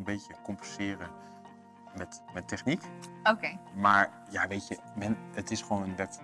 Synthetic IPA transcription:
ənbeːtjəkompəsɪːrə | mɛtmɛtʰːɛxnikokeːmaɹ | jaʋeːtjə | mɛnətɪsχʋoːnʋɛt

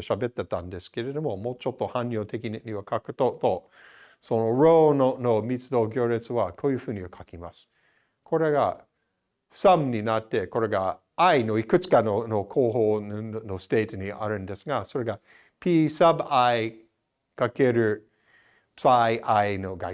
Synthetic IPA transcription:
ɕabe̞t̪ːet̪ãnd̪e̞sɨ̥ke̞ɾe̞d̪o̞mo̞moːt͡ʃo̞t̪ːo̞hãnʲːjoːt̪ʰe̞kʲinɲiβakʰakɯ̟̥t̪ot̪o | sono̞ɾoːnono̞mʲit͡sɨd̪o̞ːɡʲjoːɾet͡sɨβakʰoːjɯ̟ːɸɯ̟ːɲ̟iβakʰakʲimasɨ̥ | kʰo̞ɾe̞ɡa̰ | samɲʲinat̪ːe̞ko̞ɾe̞ɡa | aino̞ikɯ̟t͡sɨ̥kanonokʰoːɦoːnost̪e̞ːt̪oɲia̰ɾɯ̟̃nd̪e̞sɨɡaso̞ɾe̞ɡa | pʲiːsabai | kake̞ɾɯ̟ | saʔainoɡa

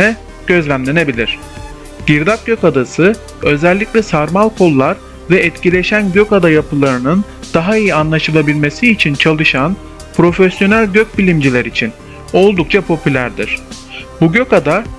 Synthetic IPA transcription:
ɛ | ɟ̥ø̞zlʲæmlʲe̞ne̞bilʲiɾ̝̥ | ɟ̥iɾd̪ap̚ɟ̥ø̞kad̪asɯ | ø̞zɛlʲːiclʲɛsaɾmalˠkʰo̞lˠːaɾ | vɛɛt̪cilʲe̞ʃænɟøkad̪ajapʰɯlˠaɾɯnɯnd̪̥aɦaijianlˠaʃɯlˠabilʲme̞siːt͡ʃʰint͡ʃʰalˠɯʃan | pɾo̞fɛsjo̞nælʲɟøc̚bilʲimd͡ʒilʲæɾit͡ʃʰin | o̞lˠd̪uk̚t͡ʃʰapʰo̞pʰylʲæɾd̪ḭɾ̝̥ | buɟø̞kad̪a

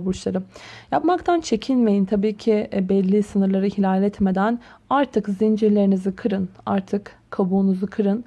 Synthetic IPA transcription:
buʃlˠaɾɯmjapmakt̪ʰant͡ʃʰecʰinme̞jint̪ʰabiːcʰibɛlʲːisɯnɯɾlˠaɾɯhilʲaːlʲɛt̪me̞d̪æn | aɾt̪ʰɯkzind͡ʒiɾlʲe̞ɾinizikʰɯɾɯna̰ɾt̪ʰɯkʰːabuːnuzukʰɯɾɯn

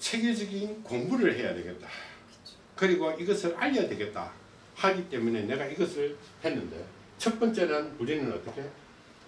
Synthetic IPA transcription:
t͡ɕʰe̞ɡjed͡ʑʌɡinkombuɾɯɭhe̞ja̰dwe̞ɡe̞t̚t͈ḁ | kɯɾiɡoiɡʌsʰɯɾaʎːadwe̞ɡe̞t̚t͈a̰ | haɡit͈e̞mune̞ne̞ɡaiɡʌsʰɯɭ | he̞nːɯndḛjo | t͡ɕʰʌt̚p͈ʌnt͡ɕ͈e̞nɯnpuɾinɯnʌt͈ʌkʰe̞

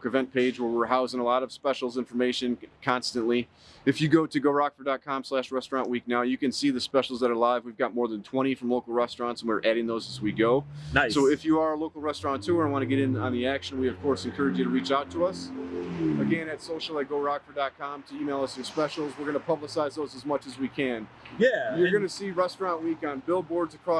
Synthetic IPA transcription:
kʰɹ̥ɨvɛ̃npʰeɪd͡ʒwə˞wɪɹɦaʊzɪ̃ŋəlɔɾʌv̥spɛʃl̩ˠzɪ̃ɱfə˞meɪʃɨ̃nkʰɑ̃nstɨ̃nʔli | ɨfjɨɡoʊɾɨɡoʊɹɑkfə˞dɑt̚kʰɑ̃mslæʃt̚ɹɛstɹ̥ɑ̃nʔwik̚naʊjɨkɨ̃nsiðɨspɛʃl̩ˠzðəɾə˞laɪvwivɡɑt̚mɔɹðɨ̃ntʰw̥ɛ̃ɾ̃ifɹʌ̃mloʊkl̩ˠɹɛstɹ̥ɑ̃ntsə̃n̩wɪɹʔæɾɪ̃ŋðoʊzɨzwiɡoʊnaɪsoʊɨfjɨə˞əloʊkl̩ˠɹɛstɹ̥ɑ̃ntʰʉə̃˞wɑ̃ñɨɡɛɾɪ̃nə̃nðiækʃɨ̃nwiʌv̥kʰɔɹsɨ̃n̩kʰɜ˞ɨd͡ʒɨɾəɹit͡ʃaʊtʰəʌs | ɨɡɛ̃nɨtsoʊʃl̩ˠɨt̚ɡ̥oʊɹɑkfə˞dɑt̚kʰɑ̃mtʰɨimeɪlˠʌsə̃spɛʃl̩ˠzwəɹɡʌnəpʰʌbləsaɪzðoʊzəzmʌt͡ʃɨzwikʰɨ̃n | jæjə˞ɡʌnɨsiɹɛstɹ̥ɑ̃nʔwikn̩bɪlˠbɔɹdzɨkʰɹ̥ɔ

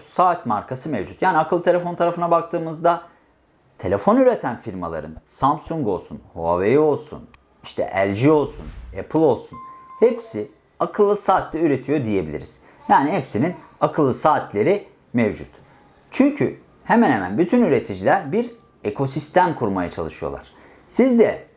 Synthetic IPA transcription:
saːt̪maɾkʰasɯmevd͡ʒut̪jaːniakʰɯlˠɯt̪ʰe̞lʲefo̞nt̪ʰaɾafɯnabak̚t̪ʰɯːmɯzd̪a | t̪ʰe̞lʲe̞fo̞nyɾe̞t̪ʰænfiɾma̰lˠa̰ɾɯ̰nsamsuŋɡo̞lˠsṵnhoa̰vejio̞lˠsṵn | iʃt̪ʰɛ̰ʔæ̰lʲd͡ʒio̞lˠsṵnepʰɯlˠo̞lˠsunhepsi | akʰɯlˠːɯsaːt̪ʰlʲɛyɾe̞t̪ʰijo̞d̪ije̞bilʲḭɾḭz̥ | jaːnihepsininakʰɯlˠːɯsaːt̪ʰlʲe̞ɾi | mevd͡ʒṵt̪ | t͡ʃʰyɲcʰy | hemænhemæ̰nbyt̪ʰynyɾe̞t̪ʰid͡ʒilʲæɾbiɾ | e̞kʰo̞sist̪ʰæmkʰuɾmajat͡ʃʰa̰lˠɯʃɯjolˠa̰ɾ̥ | sizd̪ɛ

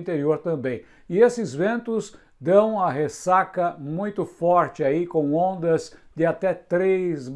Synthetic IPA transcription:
nt̪eɾioɾt̪ɐ̃mbẽj̃ | ɪesɪzvẽnt̪ʊz | d̪ɐ̃w̃ɐɦesakɐmũj̃t̪ʊfɔɾt͡ʃɪaikõw̃õnd̪ɐzd̪ɪat̪ɛt̪ɾez

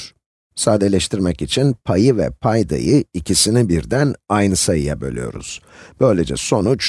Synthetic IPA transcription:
saːd̪elʲɛʃt̪ʰiɾmɛcit͡ʃʰinpʰajɯvɛ̰pʰajd̪a̰jɯicʰisinibiɾd̪ænajnɯsajɯjabø̞lʲijo̞̰ɾṵz̥ | b̥ø̞jlʲed͡ʒɛ̰so̞nut͡ʃ

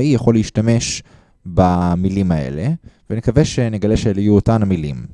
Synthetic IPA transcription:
ijaχo̞leiʃtame̞ʃ | bamilimae̞̰levenekaveʃe̞neɡaleʃelijuotanamilḭm

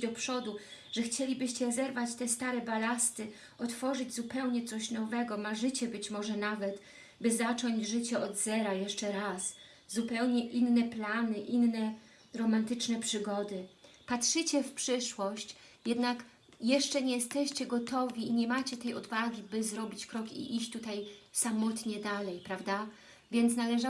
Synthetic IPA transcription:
d̪ɔpʂɔd̪u | ʐ̥ɛxt͡ɕelʲibɘɕt͡ɕɛzɛɾvat͡ɕt̪ɛst̪aɾɛbalast̪ɘ | ɔt̪fɔʐɘd͡ʑzupɛwɲɛt̪sɔɕnɔvɛɡɔmaʐɘt͡ɕɛbɘt͡ɕmɔʐɛnavɛt̪ | bɘzat͡ʂɔɲd͡ʑʐɘt͡ɕɛɔd̪zɛɾajɛʂt͡ʂɛɾas | zupɛwɲɛʔinːɛplanɘʔinːɛ | ɾɔmant̪ɘt͡ʂnɛpʂɘɡɔd̪ɘ | patʂɘt͡ɕɛfpʂɘʂwɔɕt͡ɕ | jɛd̪nak | jɛʂt͡ʂɛɲɛjɛst̪ɛɕt͡ɕɛɡɔt̪ɔvʲiiɲɛmat͡ɕɛt̪ɛjɔd̪vaɡʲibɘzɾɔbʲit͡ɕkɾɔkḭʔiɕt͡ɕt̪ut̪ajsamɔt̪ɲɛd̪alɛjpɾavd̪a | vʲjɛnt̪snalɛʐa

